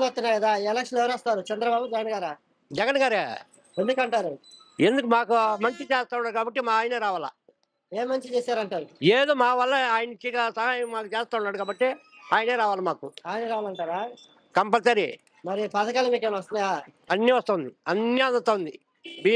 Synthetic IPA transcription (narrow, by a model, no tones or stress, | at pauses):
mɐst̪ːunːaːɐd̪aːelɐkʂɐneʋɐɾɐst̪aːɾut͡ʃɐnd̪ɾɐbaːbud͡ʒɛɡɐnɡaːɾaː | d͡ʒɛɡɐnɡaːɾeː | end̪ukɐɳʈaːɾu | e̞nd̪ukumaːkumɐɲt͡ʃit͡ʃeːst̪aːunːaːɽkaːbɐʈːimaaːjɐneːɾaːʋaːla̰ː | eːmːɐɲt͡ʃit͡ʃeːsaːɾɐɳʈaːɾueːd̪oːmaːʋɐlːɐaːjɐnit͡ʃːiɡasɐɦaːjɐmːaːkut͡ʃeːst̪aːwuɳːaːɽukaːbɐʈːe | aːjneːɾaːʋaːlɐmaːkuaːjɐnɐɾaːʋaːlɐɳʈaːɾaː | kɐmpɐlsaɾḭ | mɐɾipaːd̪ɐkaːlɐmiːkenʋɐst̪unajaː | ɐnːiʋɐst̪ɐaːund̪iɐnːjand̪ɐt̪ːaːund̪i | bi